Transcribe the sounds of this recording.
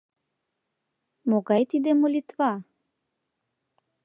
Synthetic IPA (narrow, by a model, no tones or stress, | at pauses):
moɡɑjt̪id̪emolʲit̪va